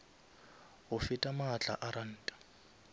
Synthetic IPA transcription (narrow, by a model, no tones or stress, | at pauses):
ɣʊfɪtʼamat͡ɬʼa̰ʔaɾan̩ːtʼḁ